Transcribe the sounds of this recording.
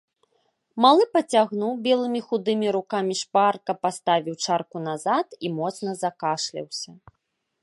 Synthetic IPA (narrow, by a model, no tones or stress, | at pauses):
malˠɨpɐt͡sʲaɣnuwbʲɛlˠɨmʲixud̪ɨmʲiɾukamʲiʂparkɐpast̪avʲiwt͡ʂarkun̪azat̪imɔt̪snɐzakaʂlʲḭwsʲɐ